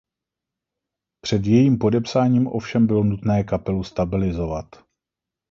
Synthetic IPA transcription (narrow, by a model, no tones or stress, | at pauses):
pr̝̥ɛd̪jɛjiːmpo̞dɛpsaːɲiːmʔo̞fʃɛmbɪlo̞nut̪nɛːkapɛlust̪abɪlɪzo̞vat̪